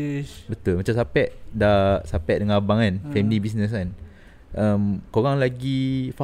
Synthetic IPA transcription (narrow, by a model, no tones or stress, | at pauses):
bət̪ulmat͡ʃamsapɛʔdasapɛʔ̚dəŋãabaŋanfɛmilibis̬nəs̬an | ʔəmkoɣaŋlaɡifa